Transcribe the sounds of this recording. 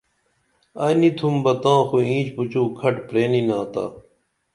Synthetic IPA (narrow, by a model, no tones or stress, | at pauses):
ɐnit̪ʰumbɐt̪ãːxuĩːt͡ɕput͡ɕuːkʰɐʈpɾeːninãːt̪a̰ː